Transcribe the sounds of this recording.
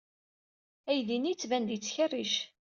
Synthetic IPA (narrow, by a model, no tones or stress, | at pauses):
æjðinit͡sːvænd̪t͡sːçərːiʃ